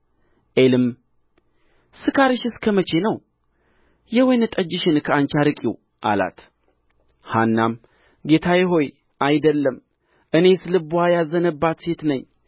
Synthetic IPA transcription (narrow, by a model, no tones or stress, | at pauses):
ʔelɨm | sɨkʰaɾɨʃɨskʰəmət͡ʃe̞nəw | jɛwejnɨt̪ʼəd͡ʒːɪʃɨnkʰəant͡ʃaɾɨkʼiw | ʔa̰la̰t̪ | hanːam | ɡe̞t̪ʰajɛɦo̞j | ʔajd̪əlːəm | ʔɨne̞slɨbuajazənəbːat̪se̞t̪nəɲː